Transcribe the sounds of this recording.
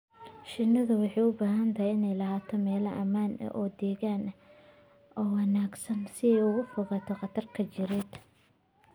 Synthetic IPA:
ʃɪnːɐðʊwɑħɑːjʊbaːɦɐnt̪ʰɐhajɪnɛjlɐɦaːt̪ʰɔmɛːlɐʔɐmaːnʔɐ̰ʔɔːd̪ɛːɣaːnɐ | ʔɔːwɑnaːɡsɐnsɪɛjʊɣʊfʊɣɑt̪ʰɔqɑt̪ʰɐrkʰɐt͡ʃɪɾɪd̪̥

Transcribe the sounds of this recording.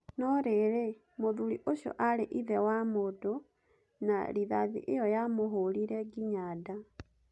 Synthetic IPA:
nɔɾeɾe | moðuɾiʔoʃjɔ̰ʔaɾeʔiðɛwamodo | na̰ɾiðaðḭʔejɔjamoɦoɾiɾɛɡiɲada

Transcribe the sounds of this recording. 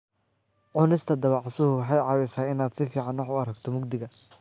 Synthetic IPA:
ʕʊnɪst̪ʰɐd̪ɐwɑʕsʊhʊwɑħɑjʕɑːwɛsaːɪnaːd̪sɪfiːʕɑnwɑħʊɐɾɐɡt̪ʰɔmʊɡd̪ɪɣɐ

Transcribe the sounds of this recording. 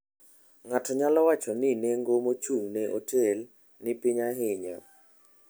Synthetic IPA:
ŋatʰɔɲalɔwat͡ʃɔnɪneŋɡomot͡ʃuŋneʔotʰel | nɪpɪɲaɦɪɲa̰

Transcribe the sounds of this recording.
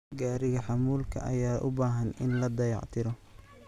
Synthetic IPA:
ɡaːɾɪɣɐħɑmuːlkʰɐ̰ʔɐjaːʔʊbaːɦɐnɪnlɐd̪ɐjɑ̰ʕt̪ʰɪɾɔ

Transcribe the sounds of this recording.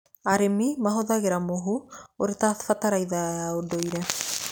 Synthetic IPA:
aɾemimaɦoðaɣeɾamoɦuoɾetafataɾajðaaodojɾa

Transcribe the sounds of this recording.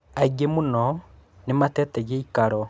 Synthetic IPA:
aiɡemonɔ | nematɛtɛɣeikaɾɔ

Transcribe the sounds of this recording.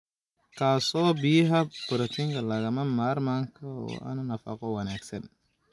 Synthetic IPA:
kʰaːsɔːbɪjɐɦɐb̥ʊɾɐt̪ʰɪŋkʰɐlɐɣɐmɐmaːrmaːŋkʰɐɔ̰ːʔɐ̰nɐnɐfɐ̰qɔwɑnaːɡsɐn

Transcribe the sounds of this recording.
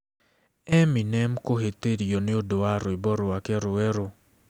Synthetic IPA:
ɛmɪnɛmkoɦet̪edijonɪodoaɾʊɪbɔɾʊakɛɾʊɛɾʊ

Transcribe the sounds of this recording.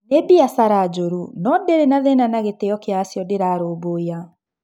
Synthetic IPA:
nebiasaɾad͡ʒoɾunɔndeɾenaðɛnanaɣetejɔkeasjɔdeɾaɾoːβoja

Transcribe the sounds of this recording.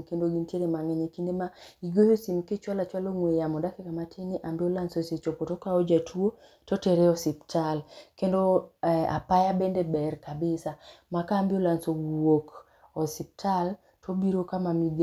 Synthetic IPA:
kendoɡintjeɾemaŋɛɲekindemaiɡojosimket͡ʃwalat͡ʃwaloŋwejamɔdakɪkamatʰeniʔambɪolansoset͡ʃopotokaɔd͡ʒatʰwo | tɔtɛɾɛɔsiptʰalkendoa̰pajabɛndɛbɛrkabɪsamakaːmbɪolansowok | ɔsip̚tʰal | tʰobiɾokamamiɡ

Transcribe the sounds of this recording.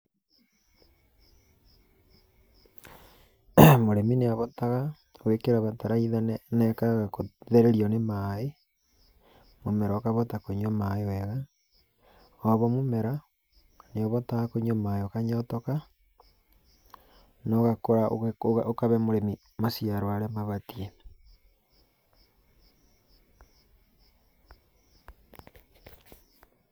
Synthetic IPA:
moɾemineaβɔtaɣa | oekeɾaβataɾaiðannɛkaɣakoðeɾeɾiɔnemae | momɛɾaokaβɔtakoɲomaewɛɣa | oβɔmomɛɾa | neoβɔtakoɲomaeokaɲɔtoka | noɣakoɾaooaʔokaβɛmoɾemi | masiaɾwaɾemaβatie

